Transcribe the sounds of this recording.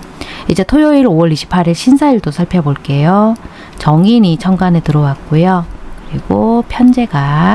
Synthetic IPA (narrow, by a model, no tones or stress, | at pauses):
id͡ʑe̞tʰojoiɾowʌɾiɕʰi̥pʰːaɾiɭɕʰinsʰaiɭdosʰaɭpʰeboɭk͈e̞jo | t͡ɕʌŋinit͡ɕʰʌŋɡanetɯɾʌwak̚k͈ojokɯɾiɡopʰjʌnd͡ʑe̞ɡa